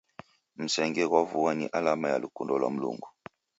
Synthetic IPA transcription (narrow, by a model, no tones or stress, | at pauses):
m̩sɛŋɡɛɣwavuwanḭʔalamaja̰lukundɔlwa̰m̩lṵŋɡu